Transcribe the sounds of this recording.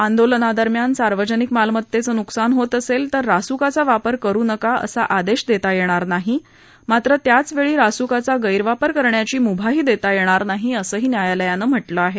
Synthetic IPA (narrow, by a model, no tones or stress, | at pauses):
and̪olənad̪əɾmjansaɾʋəd͡ʑənikmalmət̪ːet͡səːnuksanɦot̪əselt̪əɾːasukat͡saʋapəɾkəɾuːnəkaə̰saʔad̪eɕd̪et̪ajeɽ̃aɾnaɦi | mat̪ɾət̪jat͡sʋeɭiːɾasukat͡saɡəjɾʋapəɾkəɾɳjat͡ɕiːmubʱaɦiːd̪et̪ajeɽ̃aɾnaɦiəsəːɦiːnjajaləjanəm̤əʈləaɦe